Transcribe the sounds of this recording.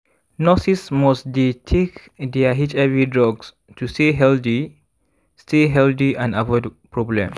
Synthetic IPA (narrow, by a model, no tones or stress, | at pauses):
nɔsismɔsdetʰek | dɛaɦit͡ʃɛvidɹɔɡs | tʰusteɦɛldi | steɦɛldiʔãnavɔdpɹɔblɛ̃m